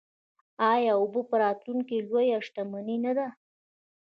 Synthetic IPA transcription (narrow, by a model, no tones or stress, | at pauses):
ɑjɑʊbəpəɾɑt̪luŋkilwojaʂʈ̪amaninad̪a